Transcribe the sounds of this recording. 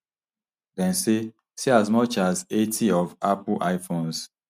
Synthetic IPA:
dɛ̃n̩se | siazmɔt͡ʃazetʰiɔvapʊʔaɪfons

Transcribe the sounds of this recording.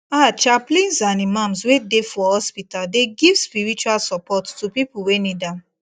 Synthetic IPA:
at͡ʃaplĩnsãnimãmswedefɔhɔspitaldeɡiv̥spiɹit͡ʃualsɔpɔttupipuwenidãm

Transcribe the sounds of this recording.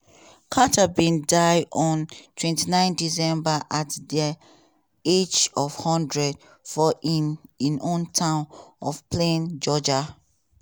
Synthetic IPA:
kʰatabĩndaɪɔ̃ntʰwɛ̃ntinãɪ̃ndisɛ̃mbaʔatdɛ | ed͡ʒɔv̥hɔ̃ndɹɛd | fɔʔĩnĩnõntʰãʊ̃nɔfplẽnd͡ʒɔd͡ʒa

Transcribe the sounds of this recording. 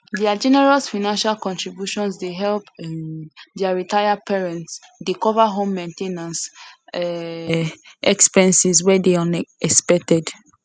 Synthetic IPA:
diad͡ʒɛnɛɹɔsfanãnʃalkɔ̃ntɹibjuʃɔ̃nsdeɦɛlp | diaɹitajapɛɹɛ̃nts | dekɔvaɦõmːɛ̃ntenãnsɛ | ɛkspɛ̃nsiswɛdeɔ̃nɛspɛk̚tɛd

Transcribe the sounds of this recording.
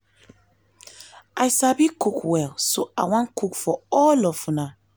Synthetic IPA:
ajsabikukwɛlsoawãnkukfɔɔlɔfuna

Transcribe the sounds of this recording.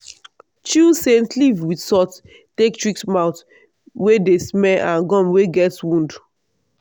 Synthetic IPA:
t͡ʃusẽntlivwidsɔt | tektɹiksmãʊt | wedesmɛãnɡɔ̃mweɡɛtwũnd

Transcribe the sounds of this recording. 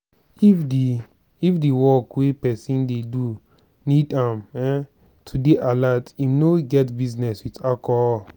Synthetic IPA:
ifdi | ifdiwɔkwepɛsĩndedu | nidãmɛ | tʰudeʔalatimnoɡɛtbiznɛswitakɔ

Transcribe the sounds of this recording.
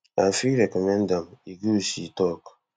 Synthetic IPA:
afiɾekɔmendamiɡusitɔk

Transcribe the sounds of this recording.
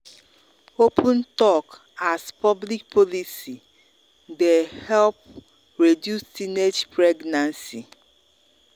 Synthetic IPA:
opʰũntɔk | aspʰɔblik̚pʰɔlisi | dehɛlp̚ | ɹedjustined͡ʒpɾɛɡnãnsi

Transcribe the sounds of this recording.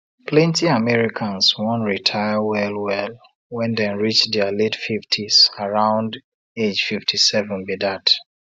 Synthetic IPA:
plɛ̃ntiamɛɹikʰãnswɔ̃ntɹitʰaɪəwɛlwɛl | wɛ̃ndɛ̃ɹit͡ʃdɛəletfiftʰiz̥aɹãʊ̃nd | ed͡ʒfiftʰisɛvɛ̃nbidat

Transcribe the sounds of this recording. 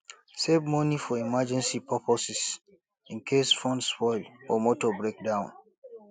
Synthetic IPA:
sevmɔnifɔimad͡ʒɛ̃nsipʰɔpʰɔsis | ĩnkʰesfɔ̃ndspɔɪlɔmɔtɔbɹek̚dãʊ̃n

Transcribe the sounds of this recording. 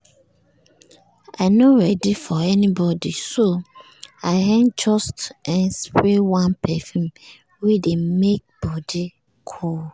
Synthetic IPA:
aɪnoɹɛdifɔɛnibɔdiso | aɪɦɛ̃nd͡ʒɔstʔɛ̃nspɹewãnpʰɛfũm | wedemek̚b̥ɔdi | kʰol

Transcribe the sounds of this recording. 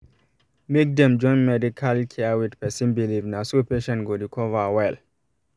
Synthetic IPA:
mek̚dɛ̃md͡ʒɔ̃ɪ̃nmɛdikʰalkʰɛwidpɛsĩnbilivnasopeʃɛ̃nɡodikʰɔvawɛl

